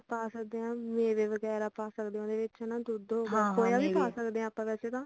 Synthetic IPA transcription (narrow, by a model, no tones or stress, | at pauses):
paːsək̚d̪eːɦãːmẽːʋeːʋəɡɛːɾaːpaːsəkd̪eːõːd̪eːʋɪnãːd̪ʊd̪ɦoːɡaːpoːjaːʋiːpaːsəkd̪eːãːpãːʋɛːseːt̪ãː